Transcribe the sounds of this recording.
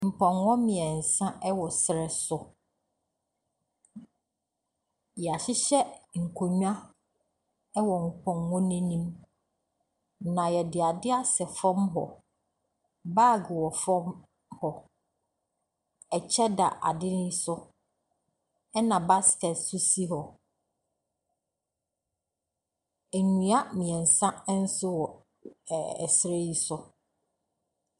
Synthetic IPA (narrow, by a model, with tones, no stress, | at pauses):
m̩˨pʰɔ̃˨nwɔ̃˦mɪ̃˨ɛ˨n̩˨sã˦ʔɛ˦wɔ˨sɪ˨ɾɛ˨sʊ˨ | jɛ˨a˨ɕɪ˦ɕɛ˦ŋ̩˨kʰo˨ɲᶣ˦ã˦ | ɛ˦wɔ˨ŋ̩˨kʰɔ̃˨nwɔ̃˦nĩ˦nĩ˦m | nã˨jɛ˨dɪ˨a˨dɪ˦a˦sɛ˨fɔ̃˦mɦɔ̰˨ | ba˦˨ɡwɔ˨fɔ̃˦m | hɔ˨ | ɛ˨t͡ɕʰɛ˦da˨ʔa̰˨dɪ˦n˦i˦sʊ˦ | ɛ˦nã˨ba˦skɛ˨tsʊ˦si˦ɦɔ˨ | e˨ɲũ˨a˦mĩ˨ɛ̃˨n̩˨sã˦n̩˦sʊ˦wɔ˨ | ɛ̰˨sɪ˨ɾe˦ji˨sʊ˦